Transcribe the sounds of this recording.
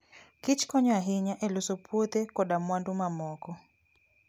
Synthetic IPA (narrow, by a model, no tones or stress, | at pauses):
kɪt͡ʃkɔɲɔaɦɪɲaʔɛlosɔpʰwot̪ɛkɔɗamwandʊmamɔkɔ